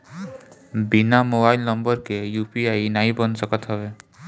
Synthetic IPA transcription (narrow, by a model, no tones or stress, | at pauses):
binamobailnəmbəɾkejupiainaɦibʌnsəkət̪ɦɔbe